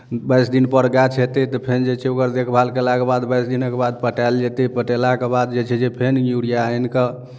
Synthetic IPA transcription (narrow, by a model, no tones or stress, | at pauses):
bəjsd̪inpəɾɡat͡ʃʰɛt̪et̪ɔpʰend͡ʒet͡ʃʰɛokəɾd̪ekʰbʱalkelakebad̪bəjsd̪inəkebad̪̚pəʈald͡ʒet̪epəʈelakebad̪d͡ʒet͡ʃʰɛd͡ʒepʰenjuɽijaenke